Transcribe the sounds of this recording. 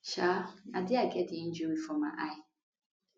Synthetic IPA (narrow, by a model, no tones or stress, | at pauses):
ʃaadɪaɡɛtɪɪ̃n̩d͡ʒuɾifɔma̰ʔaɪ